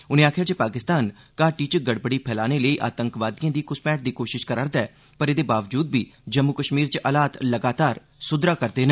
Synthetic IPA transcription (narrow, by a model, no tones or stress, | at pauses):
ʊnẽːaːkʰjaːt͡ʃepaːkɪst̪aːn | kaːʈiːt͡ʃɡəɽbəɽiːpʰɛːlaːneːləiːʔa̰ːt̪əŋkʋaːd̪ijãːd̪iːkʊspɛːʈ̚d̪iːkoːʃɪʃkəɾaːɾd̪aɛː | pəɾɪd̪eːbaːʋd͡ʒuːd̪biːd͡ʒəmːʊkəʃmiːɾt͡ʃʔəlaːt̪ləɡaːt̪aːɾ | sʊd̪ɾaːkəɾd̪eːnə̃